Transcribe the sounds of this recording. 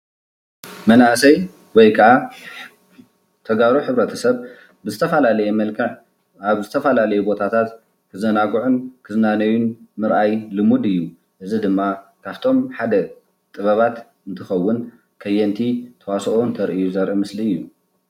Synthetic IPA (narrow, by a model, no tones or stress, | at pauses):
mɐnʔasɐj | wɔjkʰɐʔa | t̪ʰɐɡaɾuħɨβɾɐt̪ʰɐsɐβ | bɨzɨt̪ʰɐfalalɐjɛmɐlkʰɐʕ | aβzɨt̪ʰɐfalalɐjubo̞t̪ʰat̪ʰat̪ | kʰɨzɐnaɡuʕunkʰɨzɨnanɐjunmɨɾʔajlɨmud̪ɨjːu | ʔɨzid̪ɨmːakʰaβt̪ʰo̞mħad̪ɐ | t̪ʼɨβɐβat̪ | ɨnt̪ʰɨxɐwːʊn | kʰɐjɛnt̪ʰit̪ʰɐwasʔont̪ʰɐɾʔijuzɐɾʔimɨsliɨjːu